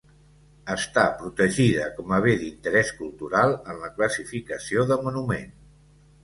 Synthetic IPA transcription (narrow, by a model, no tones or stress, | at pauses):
əst̪apɾut̪əʒiðəkɔməβeðint̪əɾɛskulˠt̪uɾalˠənləkləsifikəsioðəmunumen